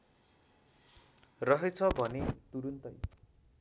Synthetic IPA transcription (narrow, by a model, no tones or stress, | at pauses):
rʌɦʌt͡sʰʌbʱʌnet̪uɾunt̪ʌj